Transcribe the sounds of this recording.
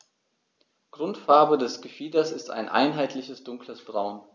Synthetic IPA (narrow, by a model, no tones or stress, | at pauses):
ɡ̥ʁʊntfaɐbədɛsɡ̥əfiːdɐsɪsta̰ɪnʔa̰ɪnɦaɪtʰlɪçəsd̥ʊŋkləsd̥ʁaʊn